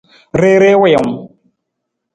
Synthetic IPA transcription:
ɾe˦ɾe˦we˦˨ə˨m

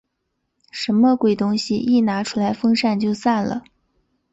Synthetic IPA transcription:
ʂə˧˥nmə˧kwe˨˩ɪt̪ʊ˥ŋɕi˨ʔi˥˩na˧˥ʈ͡ʂʰu˥la˧˥ɪfɤ˥ŋʂa˥˧nt͡ɕjo˥˧ʊsa˥˩nlə̰˩

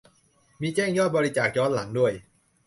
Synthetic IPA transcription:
miː˧t͡ɕɛː˥˩ŋjɔː˥˩bɔː˧ɾi˦˥t͡ɕaː˨˩k̚jɔː˦˥nla˩˦ŋdu˥˩əj

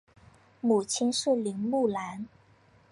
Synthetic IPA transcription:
mu˨˩t͡ɕʰi˥nʂə˥˩li˧˥ŋmu˥˩la˧˥n

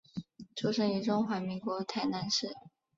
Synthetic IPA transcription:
ʈ͡ʂʰu˥ʂə˧˥ŋy˧˥ʈ͡ʂʊ˥ŋxwa˧˥mi˧˥ŋkwɔ˧˥t̪ʰa˧˩ɪna˧˥nʂɻ̩˥˩

